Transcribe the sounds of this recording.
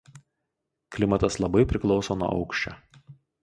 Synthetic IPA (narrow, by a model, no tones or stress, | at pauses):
klʲɪmɐt̪ɐslˠɐbɐɪpʲɾʲɪklˠɒʊsoːnuɔ̰ʔɒ̰ʊkʃʲt͡ʃʲɛ̰